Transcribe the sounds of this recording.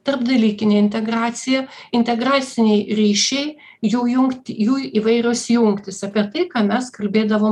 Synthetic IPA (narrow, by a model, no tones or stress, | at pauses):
t̪ɐrbd̪ɐlʲiːkʲɪnʲeːɪnʲt̪ʲɛɡrɑːt̪sʲɪjɛɪnʲt̪ʲɛɡɾɑːsʲɪnʲɛɪɾʲiːʃʲɛɪ | juːjʊŋkt̪ʲjuːiʋɐɪɾʲʊsjʊŋkt̪ʲɪsɐpʲiɛt̪ɐɪkɑːmʲɛskɐlʲbʲeːd̪ɐʋoːm